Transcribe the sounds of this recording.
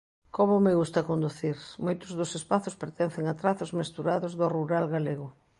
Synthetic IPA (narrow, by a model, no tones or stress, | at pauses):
komʊmeɣust̪ɐkond̪uθiɾmojt̪ʊzðʊsespaθʊspeɾt̪ɛn̟θeŋat̪ɾaθʊzmest̪uɾaðʊzðʊruɾalɣaleɣ̞ʊ